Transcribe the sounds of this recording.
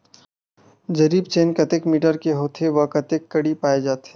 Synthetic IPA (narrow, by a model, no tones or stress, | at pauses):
d͡ʒɐɾiːbt͡ʃeːnkɐt̪ekmiːʈəɾkeɦoːt̪ɦeʋɐkɐt̪ekːɐɽipaːed͡ʒaːt̪eː